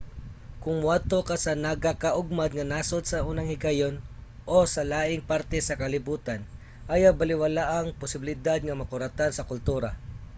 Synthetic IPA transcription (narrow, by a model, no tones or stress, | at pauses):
kʊŋwad̚t̪okasɐnɐɡakaʔʊɡ̚mad̪̚ŋɐnaːsod̪sɐʔuːnɐŋhɪɡajon | ʔosɐlaːʔɪŋpaɾt̪ɛsɐkɐlɪbuːt̪an | ʔajabɐlɪwɐlaʔɐŋpʊsɪbɪlɪd̪ad̪̚ŋɐmɐkʊɾat̪ansɐkʊlt̪uːɾa